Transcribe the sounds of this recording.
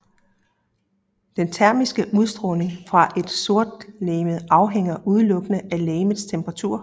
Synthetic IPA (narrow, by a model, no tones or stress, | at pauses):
d̥ent͡sʰæɐmisɡ̥əʔuð̞ˠsd̥ʁɔːne̝ŋfʁɑ̈ʔe̝d̥so̝ɐ̰d̥leːmð̩ˠʔɑ̈ʊɦeŋ̰ɐʔuð̞ˠəlɔ̽ɡ̥ənəʔæleːməðˠst͡sʰemb̥əʁɑ̈t͡sʰṵɐ̰